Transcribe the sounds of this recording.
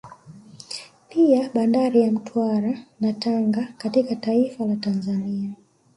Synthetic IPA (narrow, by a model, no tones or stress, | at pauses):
piaɓandaɾijam̩tʰwaɾanataŋɡakatikataifalatanzania